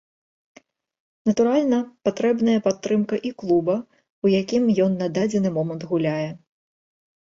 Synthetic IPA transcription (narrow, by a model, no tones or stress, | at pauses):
nɐt̪uɾalʲnɐpat̪ɾɛbnɐjɐpat̪ːɾɨmkɐʔiklˠubɐ | ujakʲimjɔnːad̪ad͡zʲɛnɨmɔmɐnt̪ɣulʲajɛ